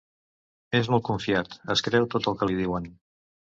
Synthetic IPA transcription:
ezmɔlˠt̪̚kuɱfiat̪əskɾɛwt̪ot̪əlˠkəliðiwən

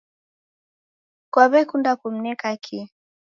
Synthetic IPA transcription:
kwaβɛkundakum̩nɛkakʰi

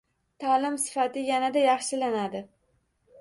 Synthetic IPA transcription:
t̪ʰalɪmsɪ̥fat̪ɪjanad̪ajɑχʃɪlanad̪ɪ

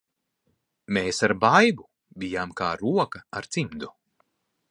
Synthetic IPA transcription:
meːsaɾbajbu | bʲijaːmkaːɾuɔkɐa̰ɾt̪simd̪u

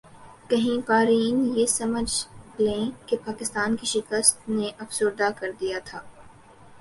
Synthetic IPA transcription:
kɐɦĩpaːɾiːnjesɐməd͡ʒlẽːkepaːkɪst̪aːnkiʃɪkəst̪neʔɐfsʊɾd̪akɐɾd̪ijat̪ʰaː

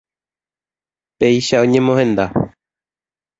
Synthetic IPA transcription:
peiʃaõɲẽ̞mõɦẽ̞nd̪a

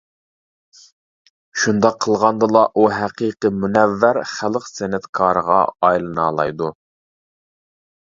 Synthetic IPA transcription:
ʃund̪ɑqʰːəlˠʁɑnd̪ɨlˠɑʔuɦæqiqəmunɛvːæɾχælˠqsɛnɛt̪kʰɑːɾəʁɑ̰ɑjlˠɨnɑːlˠɑ̰jd̪u

